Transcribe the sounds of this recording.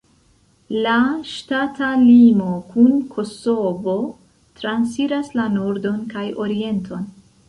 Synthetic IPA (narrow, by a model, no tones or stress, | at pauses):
laʃtatʰalimo̞kunkʰo̞so̞vo̞ | tɾansiɾaslanoɾdo̞nkajo̞ɾie̞ntʰo̞n